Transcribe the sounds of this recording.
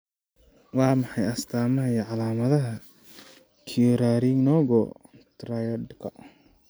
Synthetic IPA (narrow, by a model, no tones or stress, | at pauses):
wɑːmɑħɑjɐst̪ʰaːmɐɦɐjɐʕɑlaːmɐðɐɦɐ | kʰiɔɾaːɾiŋnɔːɣɔt̪ɾajɐɖkʰɐ